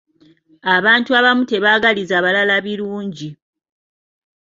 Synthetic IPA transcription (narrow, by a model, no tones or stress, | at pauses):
aβaːntuaβamute̞βaɡalizaːβalalaβiluːɲɟi